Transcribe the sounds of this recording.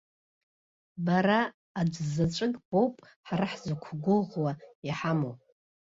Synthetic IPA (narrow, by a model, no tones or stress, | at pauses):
baɾaː | d͡ʒzat͡ʃʷʼɨkʼb̥o̞wpʼ | ħaɾaħzakʷʰɡʷʊlʁwaiħamowpʼ